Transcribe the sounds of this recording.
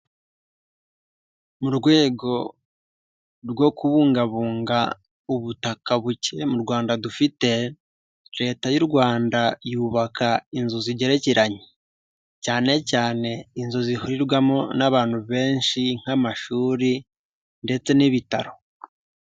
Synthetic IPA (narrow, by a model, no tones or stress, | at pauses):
muɾɡwe̞ːɡo̞ | ɾɡwo̞kuβuːŋɡaβuːŋɡa | uβutakaβuce̞muɾɡwaːndadufite̞ | ɾe̞ːtajuɾɡwaːndajuːβakainzuziɟe̞ɾe̞ciɾaɲe | caːne̞caːne̞inzozihuɾiɾɡwamo̞naβaːn̥huβe̞ːnʃiŋ̥amaʃuːɾi | nde̞t͡se̞niβitaɾo̞